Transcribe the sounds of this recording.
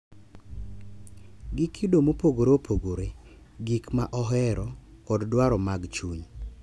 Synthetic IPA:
ɡɪkʰidomopoɡoɾopʰoɡoɾe | ɡikma̰ʔɔɦɛɾɔkɔddwaɾɔmaɡt͡ʃuɲ

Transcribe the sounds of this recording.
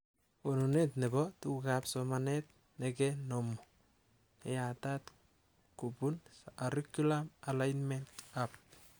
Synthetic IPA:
onunetnebɔtukapsomanet̚ | nekenomu | eatat | kubunaɾikulamalajnmentap̚

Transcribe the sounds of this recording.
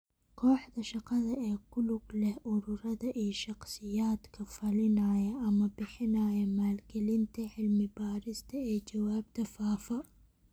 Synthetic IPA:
kʰɔːħd̪ɐʃɑqɑðɐɛːkʰʊlʊɡlɛhʔʊɾʊɾɐðɐʔiːʃɑqsɪjaːd̪kʰɐfɐlɪnaːjɐʔɐmɐbɪħɪnaːjɐmaːlɡɛlɪnt̪ʰɐʕɪlmɪbaːɾɪst̪ʰɐɛːt͡ʃɐwaːbt̪ʰɐfaːfɐ

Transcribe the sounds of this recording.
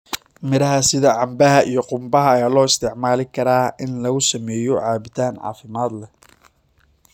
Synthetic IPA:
mɪɾɐɦɐsɪðɐʕɑmbɐɦɐʔijɞqʊmbɐɦɐːjaːlɔːɪst̪ʰɛʕmaːlɪkʰɐɾaːʔɪnlɐɣʊsɐmɛːjɔʕɑːβɪt̪ʰaːnʕɑ̰ːfɪmaːd̪lɛ

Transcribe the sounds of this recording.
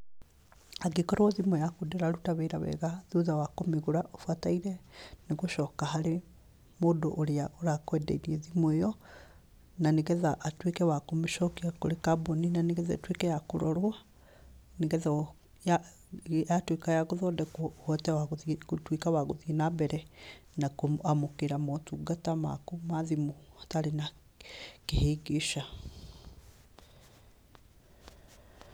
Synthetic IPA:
aɡekɔɾwɔðimɔjakudeɾaɾutaβeɾaβɛ̰ɣaðoðawakomeɣoɾaʔofwataiɾɛneɣoʃɔːkaɦaɾe | moːdoʔoɾeaoɾakwɛdɛ̰iɾiɛðimɔejɔ | naneɣɛðaʔːtwekɛwakomeʃɔkiako̰ɾekaboninaneɣɛðɛ̰twekɛjakoɾɔɾoa | niɡɛðɛ | ja | jatwikajaɣuðɔdɛkhɔtɛwaɣutwikawaɣuðinabɛɾɛnakuamukiɾamotuɡatama̰kumaðimuatalina | kehiɡiʃa

